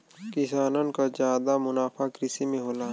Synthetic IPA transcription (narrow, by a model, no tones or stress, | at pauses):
kɪsaːnənkazjaːd̪amʊnaːfʰakɾɪsimẽɦoːlaː